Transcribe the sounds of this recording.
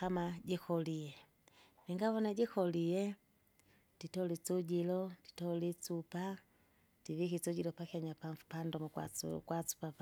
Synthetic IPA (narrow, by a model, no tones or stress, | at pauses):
kamaɟɛkɔlijɛ | miŋɡaβɔnaɟikɔlijɛ | d̥itɔlit͡suɟilɔdi̥tɔlit͡supa | d̥ivikit͡suɟilɔpakiaɲapaɱfu̥pandɔmɔkw̰kwat͡su̥pap